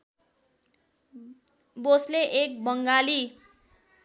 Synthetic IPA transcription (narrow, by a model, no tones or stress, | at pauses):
bosleʔek̚bʌŋɡali